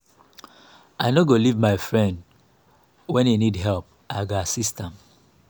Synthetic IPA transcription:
aɪnoɡolivmaɪfɹɛ̃nd | wɛ̃nenidɦɛlp̚ | ʔaɪɡoasistãm

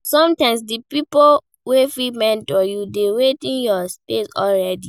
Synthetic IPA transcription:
sɔ̃mtãɪ̃ms̬dipipo | wefimɛ̃ntɔjudewetĩnjɔspesɔlɹɛdi

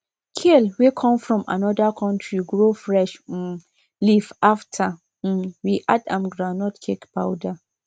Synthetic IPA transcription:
kʰilwekʰɔ̃mfɹɔ̃mʔa̰nɔdakʰɔ̃ntʰɹiɡɹofɹɛʃ̩ | lifaftʰa | m̩wiʔadãmɡɹanɔtkʰekpʰaʊda

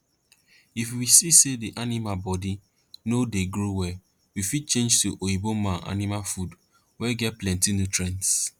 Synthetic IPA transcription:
ifwisisediʔanimalbɔdi | nodeɡɾowɛ | wifid̚t͡ʃẽnd͡ʒtuʔoibomãnʔa̰nimalfud | wɛɡɛt̚plɛ̃ntinutɹɛ̃nts

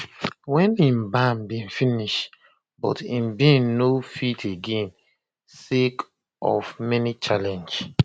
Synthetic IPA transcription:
wɛ̃nĩmbambĩnfiniʃ | bɔ̰tĩmbĩnːofitʰeɡẽn | sek | ɔ̰fmɛnit͡ʃalɛ̃nd͡ʒ

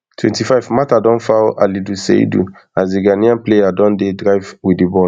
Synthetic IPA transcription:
tʰwɛ̰̃ntifaɪvmatadɔ̃nfawʔalidusḛdṵ | azdiɡaniãnplejadɔ̃ndedɹaɪvwidibɔ

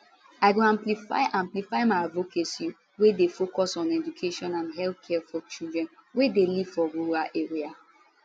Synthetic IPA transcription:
aɪɡoãmplifa̰ɪʔãmplifaɪmaɪavokʰesi | wedefokɔsɔ̃nɛd͡ʒukʰeʃɔ̃nãnɦɛlθkʰɛfɔt͡ʃildɹɛ̃nwedeliv̥fɔɹuɾaʔeɹia

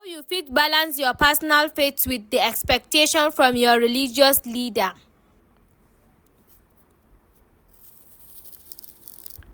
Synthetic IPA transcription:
ajufitbalãnsjɔpɛsɔnalfetwiðiɛkspɛk̚teʃɔ̃nfɹɔ̃mjɔɹilid͡ʒɔslidə

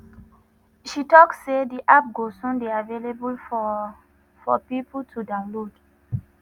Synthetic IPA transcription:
ʃitɔksːediʔap̚ɡosũnbeavelebul | fɔ̰pipul̩tʰudãʊ̃nlod̥

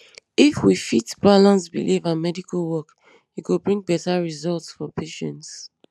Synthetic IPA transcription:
ifwifitb̥alãnsbḭlʔivãnmɛdikʰalwɔk | jukubɹĩŋɡbɛtaɹizɔltsfɔpʰeʃɛ̃nts

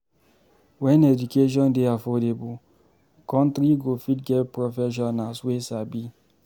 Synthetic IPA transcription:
wɛ̃nɛd͡ʒukeʃ̬ɔ̃ndeafɔdebu | kɔ̃ntɾiɡofit̚ɡɛpɹofɛʃ̬ɔnaswesabi

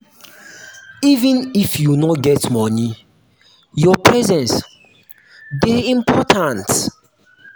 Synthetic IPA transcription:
ivĩnifjunɔɡɛtmɔni | jɔpʰɹɛzɛ̃ns | deĩmpʰɔtʰãnt

